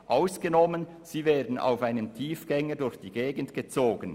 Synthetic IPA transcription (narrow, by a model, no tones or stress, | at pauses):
ʔaʊsɡ̥ənɔmən | z̥iːveːdn̩a̰ʊfaɪnəmtʰiːfɡ̥ɛŋədʊɾçd̥iːɡeːɡən̩tɡ̥ət͡soːɡən